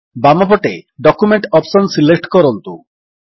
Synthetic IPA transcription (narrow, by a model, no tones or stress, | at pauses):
bamɔpɔʈeɖɔkumeɳʈɔpsɔnsilek̚ʈkɔɾɔnt̪u